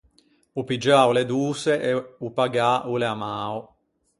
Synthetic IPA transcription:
upid͡ʒauled̪uːseʔeupaɡauleamaːo

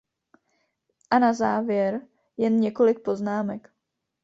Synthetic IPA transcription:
ʔanazaːvjɛɾ | jɛnɲɛko̞lɪk̚po̞znaːmɛk

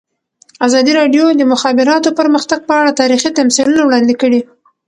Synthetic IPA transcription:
azɑd̪iɾɑɖjod̪əmʊxɑbɪɾɑt̪opəɾməxt̪aɡ̚pəaɽat̪ɑɾixit̪amsilunawɽɑnd̪ikəɽi

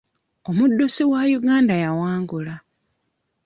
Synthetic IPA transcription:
o̞mudːosiwajuɡaːndajawaːŋɡula

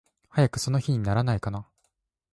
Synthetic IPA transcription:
hajakɯ̟̥so̞no̞çiɲ̟inaɾanaikana

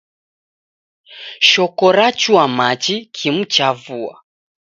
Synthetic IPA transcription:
ʃɔkɔɾat͡ʃwamat͡ʃikʰim̩t͡ʃavua̰

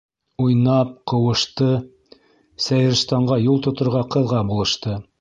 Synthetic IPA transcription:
ujnɑp̚qɤ̆wɤ̆ʃt̪ɤ | sæjɘ̆ɾst̪ɑɴɢɑjulˠt̪ŏt̪ŏɾʁɑqɤ̆ðʁɑbulˠɤ̆ʃt̪ɤ

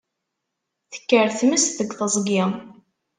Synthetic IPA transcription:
θə̥kːəɾθməst̪ðəɡθəzˤɡɪ

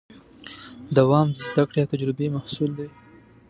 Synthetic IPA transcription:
d̪awɑmzzd̪akɽejawt̪ad͡ʒɾɪbemahsuld̪e

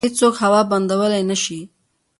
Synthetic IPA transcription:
ɪt͡ssokhawɑband̪awəlajnaʃi

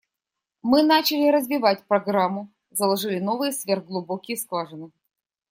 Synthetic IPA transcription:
mɨnat͡ɕɪlʲɪɾəzvʲɪvat̚ʲpɾɐɡɾamːʊ | zəlˠɐʐɨlʲɪnovɨjəsvʲerɣɡlˠʊbokʲɪjəsklˠaʐɨnɨ

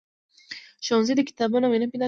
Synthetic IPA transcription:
ʃɔnzid̪ikʰi̥t̪ʰabɔnaminapina

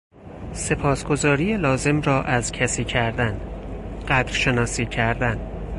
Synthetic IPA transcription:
se̞pʰɒːsɡ̥o̞zɒːɾijelɒːze̞mɾɒːʔæzcʰæsiːcʰæɾd̪ænɢ̥æd̪̥ɾʃe̞nɒːsiːcʰæɾd̪æn

